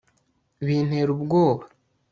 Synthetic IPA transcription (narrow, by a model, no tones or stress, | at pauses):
βiːn̥he̞ɾubɡoːβa